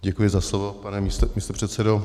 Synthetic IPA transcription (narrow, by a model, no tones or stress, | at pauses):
ɟɛkujɪzaslovopanɛmist̪omist̪opr̥ɛt̪sɛdo